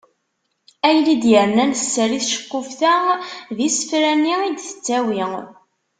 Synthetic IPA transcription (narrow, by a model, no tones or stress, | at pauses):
æjlid̪jəɾnænsːəɾiθʃə̥kːʊfθæðisə̥fɾænːiid̪θə̥t͡sːæwiŋ